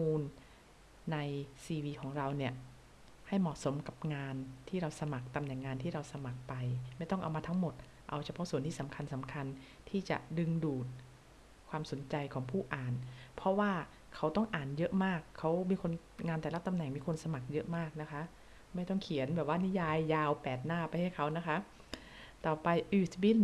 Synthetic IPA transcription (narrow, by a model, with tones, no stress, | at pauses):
muː˧nː | a˧jsiː˧wiː˧kʰɔː˩˦ŋɾa˧wni˥˩ɐ | ha˥˩jmɔː˨˩so˩˦mka˨˩p̚ŋaː˧nt̪ʰiː˥˩ɾa˧wsa˧ma˨˩k̚t̪a˧mnɛ˨˩ŋːaː˧nt̪ʰiː˥˩ɾa˧wsa˧ma˨˩k̚pa˧jma˥˩jt̪ɔ˥˩ŋʔa̰˧wmaː˧t̪ʰŋmo˨˩t̪̚ | ʔa˧wt͡ɕʰa˧pʰɔ˦˥ʔsu˨˩˦ənt̪i˥˩sa˩˦mkʰa˧nsa˩˦mkʰa˧n | t̪ʰiː˥˩t͡ɕa̰˨˩dɯ˧ŋduː˨˩t̪̚ | kʰwaː˧mso˩˦nt͡ɕa˧jkʰɔː˩˦ŋpʰuː˥˩ʔaː˨˩npʰɔ˦˥waː˥˩ | kʰa˦˥wt̪ɔ˥˩ŋʔaː˨˩njɤ˦˥ʔmaː˥˩kʰːa˦˥wmiː˧kʰo˧n | ŋaː˧nt̪ɛː˨˩la˦˥t̪a˧mnɛ˨˩ŋmiː˧kʰo˧nsa˧ma˨˩k̚jɤ˦˥ʔmaː˥˩k̚na˦˥kʰa˦˥ʔ | ma˥˩jt̪ɔ˥˩ŋkʰi˩˦ənbɛː˨˩p̚waː˥˩ni˦˥jaː˧jːaː˧wpɛː˨˩t̪̚naː˥˩pa˧jha˥˩jkʰa˦˥wna˦˥kʰa˦˥ʔ | t̪ɔː˨˩pa˧jʔɯː˨˧˩t̪wi˦˥